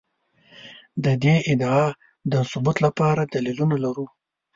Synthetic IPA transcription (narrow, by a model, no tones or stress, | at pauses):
d̪əd̪eʔɪd̪ɑ | d̪əsʊbut̪lapɑɾad̪alilunalaɾu